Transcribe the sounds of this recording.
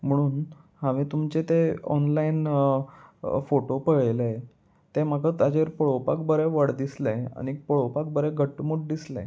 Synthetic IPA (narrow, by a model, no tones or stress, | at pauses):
m̤əɽ̃uːn | haʋĩt̪umt͡ɕet̪eɔ̰nlain | foʈopəɭəjle | t̪em̤akət̪ad͡ʑeɾpəɭopa̰kbəɾeʋəɽd̪islẽa̰ñipəɭopak̚bəɾeɡʱəʈːmuʈ̚d̪islḛ̃